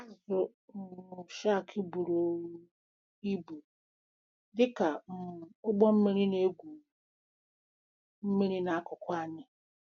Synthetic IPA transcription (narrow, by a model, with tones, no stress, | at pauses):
a˦zʊ˨ | ʊ˨ʃa˦˨kʰɪ˦bu˨ɾo˦wu˦ | i˦bu˨ | dɪ˦ka˨ʊ˦ɡ͡bɔ˦m̩˦mi˦ɾi˦ne˦ɡʷu˨ | m̩˦mi˦ɾi˦na˨a˦kʊ˨kʷa˦˨ɲɪ˦